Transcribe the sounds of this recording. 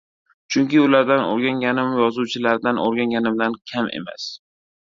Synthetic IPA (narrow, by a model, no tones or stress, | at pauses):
t͡ʃʰʊŋkʲɪʊlaɾd̪ano̰ɾɡʲaŋɡʲanɪmjɒzuwt͡ʃʰɪlaɾd̪anoɾɡʲaŋɡʲanɪmd̪ankʲʰamʔḛma̰s